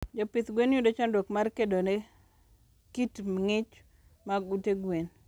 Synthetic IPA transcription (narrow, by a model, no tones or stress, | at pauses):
d͡ʒɔpɪt̪ɡwenjudot͡ʃɔndokmarkedone | kitmŋɪt͡ʃ | maɡuteɡwen